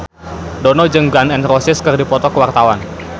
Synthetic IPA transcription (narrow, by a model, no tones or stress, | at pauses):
dɔnɔd͡ʒɨŋɡanɛnrɔsɪskɨrdipɔt̪ɔkəwart̪awan